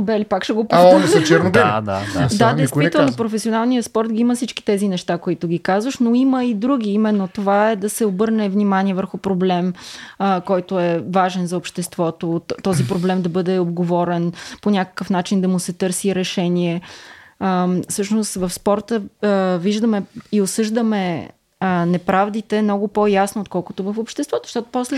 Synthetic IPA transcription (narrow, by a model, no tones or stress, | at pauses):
bɛlipakʃɛɡop̪t͡ʃɛnd̪ad̪a̰ad̪add̪ɛjst̪vit̪ɛlˠnopɾofɛsionalˠnijəspɔɾt̪ɡʲiiməfsit͡ʃki̥t̪ɛzinɛʃt̪akoit̪ʊɡ̟ʲikazvəʃnoiməid̪ɾuɡ̟ʲiimɛnːot̪ovaɛd̪ɐsɛobɤɾnɛvnimanʲiɛvəɾxʊpɾoblɛməkɔjt̪oɛvaʒɛnzɐopʃt̪ɛst̪vɔt̪ot̪ɔzipɾoblɛmd̪ɐbɤd̪ɛod̪ɡovɔɾɛnponʲakə̥kəfn̪at͡ʃind̪ɐmʊsɛt̪ɤɾsiɾɛʃɛnʲiɛ | sɤʃnost̪vəfspɔɾt̪əviʒd̪əmɛiosɤʒd̪əmɛ | nɛpɾavd̪it̪ɛmnɔɡʊpojasnoːt̪̚kɔlˠkʊ̥t̪ovəfopʃt̪ɛst̪vɔt̪o̥ʃt̪ɔt̪o̥pɔslɛ